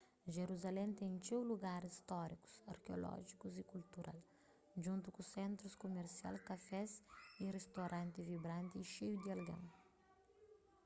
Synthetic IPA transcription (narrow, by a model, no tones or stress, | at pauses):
ʒeɾuzalɛ̃nt̪ẽt͡ʃewluɡaɾist̪ɔɾikʊ̥sɐɾkeolɔ̰ʒikuzikult̪uɾa̰l | ʒũnt̪ukʊsẽnt̪ɾʊskomeɾsia̰lkafɛzirest̪oɾʔɐ̃nt̪ɪvibɾɐ̃nt̪ɪiʃejud̪iɐlɡɐ̰̃w